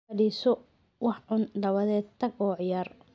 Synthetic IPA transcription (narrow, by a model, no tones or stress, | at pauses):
ɐɽiːsɔ | wɑħʕʊnd̪ɐβɐðɛːd̪̚t̪ʰɐɡɔːʕɪjaːr